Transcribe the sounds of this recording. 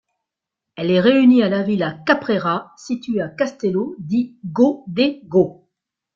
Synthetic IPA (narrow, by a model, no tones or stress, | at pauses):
ɛlɛʁeynialavilakapχeʁasit̪ɥeakast̪elod̪iɡod̪eɡo